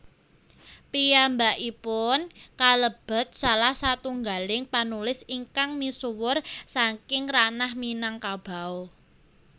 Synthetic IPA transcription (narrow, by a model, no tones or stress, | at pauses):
pijambaʔipʊnkaləb̥ə̤t̪̚salahsat̪uŋɡalɪŋpanulɪsiŋkaŋmisuwʊrsaŋkɪŋranahminaŋkab̥a̤o